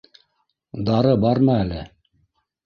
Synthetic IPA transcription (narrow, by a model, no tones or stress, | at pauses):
d̪ɑɾɤbɑɾmɤælɘ